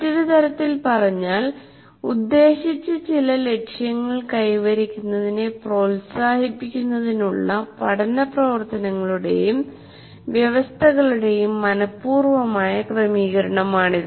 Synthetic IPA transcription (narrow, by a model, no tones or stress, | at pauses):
ɐtːɐðɨt̪ɐɾɐt̪ːilpɐrɐɲːaːl | ud̪ːe̞ːɕit͡ɕːɐt͡ɕilɐle̞kʂjɐŋːɐɭkɐjʋɐɾikʲːunːɐðine̞pro̞ːlsaːhipːikʲːunːɐðinuɭːɐpɐʈʰɐnɐprɐʋɐrt̪ɐnɐŋːɐɭuɽe̞̰jum | ʋjɐʋɐst̪ʰɐɣɐɭuɽe̞jumːɐnɐpːuːrʋɐmaːjɐkrɐmiːɣɐɾɐɳɐmaːɳiðɨ